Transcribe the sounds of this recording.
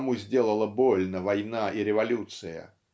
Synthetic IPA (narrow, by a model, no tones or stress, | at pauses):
muzʲdʲe̞lˠəlˠəbolʲnəvajnaʔiɾʲɪvalʲut̪sɨjə̰